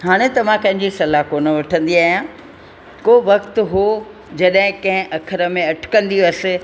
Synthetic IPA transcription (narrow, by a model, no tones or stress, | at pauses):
ɦaːɽ̃ẽt̪ɐʋ̤ãkɐ̃ɦɪ̃ɲd͡ʑisɐlakoːnə̆ʋɐʈʰə̃nd̪iaːɦijã | koːʋɐkt̪ɦo | d͡ʑɐɗɦɪ̃kɐ̃ɦɪ̃ʔɐkʰəɾə̆mẽɐʈʰɪ̥kɐ̃nd̪iɐsɪ̆